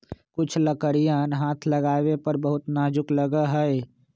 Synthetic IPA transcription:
kʊt͡ʃʰləkəɾijãːnɦaːt̪ʰləɡaːwepəɾbəɦʊt̪naːd͡ʒʊkləɡəɦɛe

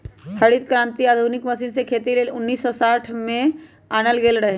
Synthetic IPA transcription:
hɐɽit̪̚kɾãːnt̪iaːd̪ʱunɪkmɐsiːnsekʰeːt̪ileːlʊnːiːsːɔsaːʈʰmẽ | aːnəlɡeːlɾəɦe

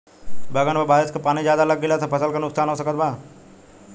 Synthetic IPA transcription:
bɐɡənbabaːɾɪskapaːnid͡ʒjaːd̪alɐɡːilat̪ʰapʰɐsəlkɐɾnʊkst̪ʰaːnɦoːsəkət̪̚baː

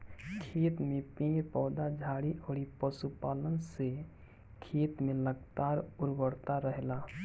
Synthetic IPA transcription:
kʰeːt̪mẽpẽːpɔːd̪ad͡ʒʱaːɽiʔoːɽipəsupaːlənse | kʰeːt̪mẽləɡt̪aːɾʊɾɡəɽt̪aɾəɦlaː

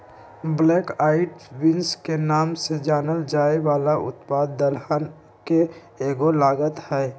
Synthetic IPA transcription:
bleːkaːɪʈʋɪ̃nskenaːmsed͡ʒaːnəld͡ʒaːeʋaːlaʔʊ̰t̪paːd̪ːəlhan | ke | eːɡolaːɡət̪hɛː

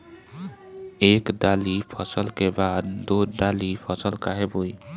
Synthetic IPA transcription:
eːkɖ̪aːlipʰəsəlkebaːd̪ːoɖalipʰəsəlkaɦeboi

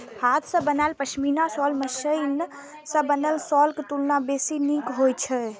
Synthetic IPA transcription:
hat̪ʰsə̃bənaelpəʃʰminasɔlməsəjn | sə̃bənəlsɔlket̪ulnabesinikɦojt͡ʃʰɛ

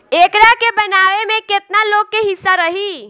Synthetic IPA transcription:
ekɾakebənaʋemeket̪naloɡːeɦisːaɾəɦi

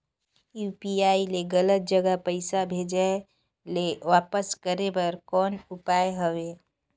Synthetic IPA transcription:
juːpiaːileɡələt̪̚d͡ʒəɡəpəɪsabʱed͡ʒa | leʋaːpəskəɾebəɾkɔːnʊpaːeɦəwe

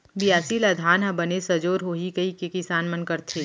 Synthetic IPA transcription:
bijaːsilad̪ʱaːnɦɐ̃bɐnesɐd͡ʒoːɾɦoːɦikɐikekɪsaːnmɐnkɐɾt̪ʰeː

